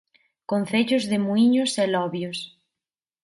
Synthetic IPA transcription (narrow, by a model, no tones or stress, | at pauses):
kon̟θeʎʊzðɪmuiɲosɛlɔβjos